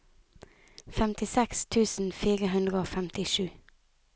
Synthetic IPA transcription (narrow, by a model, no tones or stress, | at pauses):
fɛmt̪ɪsɛkst̪ʰʉːsn̩fiːʁəɦʉnd̪ʁəoːfɛmt̪ɪʃʉː